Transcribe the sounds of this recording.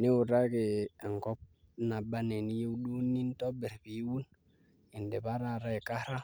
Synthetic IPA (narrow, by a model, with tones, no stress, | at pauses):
ni˦wu˨ɾa˦ke˨ŋkɔ˦p̚ | na˨ba˦ne˨ni˦je˦u˦ɗu˦ni˦n˦to˦be˨ɾbi˨˦wu˦n | i˨nde˨ba˦ɾa˦˨ɾa˦e˨ka˦ɾa˦